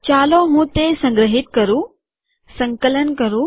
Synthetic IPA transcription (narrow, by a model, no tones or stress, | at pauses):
t͡ʃaːloɦũːt̪esɐ̃ŋɡɾəɦɪt̪̚kɐɾũː | sɐ̃ŋkələnkɐɾũ